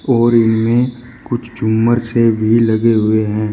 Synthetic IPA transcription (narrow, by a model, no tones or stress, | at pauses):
ɔːɾɪnmẽ | kʊt͡ʃʰd͡ʒʊmːəɾsebʱilɐɡeɦʊeɦɛ̃ː